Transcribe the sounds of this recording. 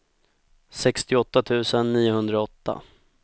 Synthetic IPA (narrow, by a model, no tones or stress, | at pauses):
sɛkst̪ɪɔt̪ːat̪ʰʉ̟ːsənːiːʊɦɵnd̪ɾaɔt̪ːa̰